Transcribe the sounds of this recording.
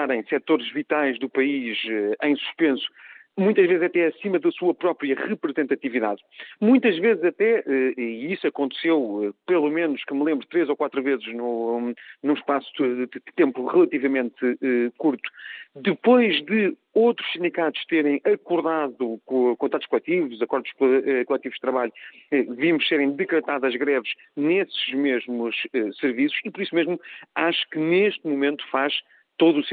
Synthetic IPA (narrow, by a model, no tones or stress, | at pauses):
aɾɐ̃j̃sɛt̪oɾʒvit̪ajʒðupɐiʃɛɐ̃j̃su̥ʃpẽsu̥mũj̃t̪ɐʒvezzɐt̪ɛɐsimɐðɐsuɐpɾɔpɾiɐʁɨpɾɨzẽnt̪ɐt̪iviða̰ð | mũj̃t̪ɐʒvezɨzɐt̪ɛʔɛiisuɐkõnt̪sewɛpɨlˠumenuʃkɨmlˠẽmbɾut̪ɾezokwat̪ɾuvezɨʒnu | nũʃpasuɨɨt̪ẽmpuʁɨlˠɐt̪ivɐmẽnt̪ɨɛkuɾt̪u̥d̪ɨpojʒðɨ | owt̪ɾu̥ʃsĩnd̪ikat̪u̥ʃt̪eɾɐ̃j̃ʔɐkuɾðaðukokõnt̪at̪uʃkulˠɛt̪ivuzɐkɔɾðuʃkkulˠɛt̪ivuʒd̪ɨt̪ɾɐβaʎuɛvimuʃseɾɐ̃j̃d̪ɨkɾɨt̪aðɐʒɣɾɛvʃ | nesɨʒmeʒmuʃɛsɨɾvisu̥ʃipɔɾisumeʒmuaʃu̥kɨneʃt̪mumẽnt̪u̥faʃ | t̪oðuːs